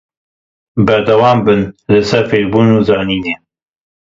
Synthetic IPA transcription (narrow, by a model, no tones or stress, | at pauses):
bɐɾd̪ɐwɑːmbɨnlɨsɛɾfeːɾbuːnuːzɑːniːneː